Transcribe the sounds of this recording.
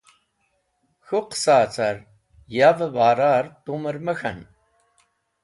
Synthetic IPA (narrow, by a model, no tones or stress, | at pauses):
xuqsaːt͡saɾ | javəvaːɾaːɾt̪uməɾməxɐ̰n